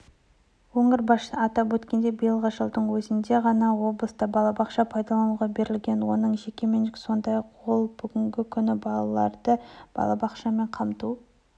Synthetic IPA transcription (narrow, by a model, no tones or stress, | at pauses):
woɴəɾbɑʃəɑt̪ɑpwɵt̪kʲe̞nd̪e̞bijəlˠʁəʒəlˠd̪əɴwɵzɪnd̪e̞ʁɑnɑwo̞blˠəst̪ɑbɑlˠɑbɑqʃɑpʰɑjd̪ɑlˠɑnuʁɑbe̞ɾɪlɡʲe̞nwo̞nəɴʒe̞kʲe̞me̞nɪkʲso̞nd̪ɑjɑqwo̞lˠb̥ʏɡʲɪŋɡʲɪkʲʰʏnɪbɑlˠɑlˠɑɾd̪əb̥ɑ̰lˠɑbɑqʃɑme̞ɴqʰɑmt̪u